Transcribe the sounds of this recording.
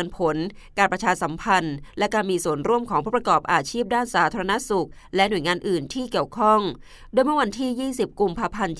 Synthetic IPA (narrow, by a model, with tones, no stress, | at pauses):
npʰo˨˦n | kaː˧npɾa˧t͡ɕʰaː˧sa˩˦mpʰa˧nlɛ˦˥kaː˧nmiː˧su˨˩ənɾu˥˩əmpkʰɔː˨˩˦ŋʰuː˥˩pɾa˧kɔː˨˩p̚ʔaː˧t͡ɕʰiː˥˩p̚daː˥˩nsaː˩˦t̪ʰaː˧ɾa˧na˦˥su˨˩k̚ | lɛ˦˥ʔnu˨˩əjŋaː˧nʔɯː˨˩nt̪ʰiː˥˩ki˨˩əwkʰɔ˥˩ŋ | doː˧jmɯ˥ə˨wa˧nt̪ʰiː˥˩jiː˥˩si˨˩p̚ku˧mpʰaː˧pʰa˧nt̪